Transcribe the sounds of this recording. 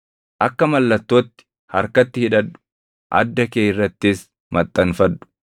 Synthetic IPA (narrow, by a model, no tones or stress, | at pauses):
ʔɐkːɐmɐlːɐt̪ːoːt̪ːɪ̥ | hɐɾkɐt̪ːɪhɪᶑɐᶑʊ̥ | ʔɐ̰d̪ːɐkeːjɪrːɐt̪ːɪs | mɐt̪ʼːɐnfɐᶑʊ̥